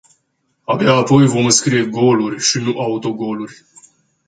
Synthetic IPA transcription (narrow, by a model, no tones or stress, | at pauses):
abeaːpo̞jvo̞mɨnskɾije̞ɡo̞lurʲʃinuʔaut̪o̞ɡo̞lurʲ